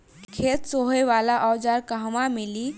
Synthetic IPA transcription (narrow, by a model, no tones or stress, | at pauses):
kʰet̪soɦeʋalaʔɔwd͡ʒaɾkəɦmameli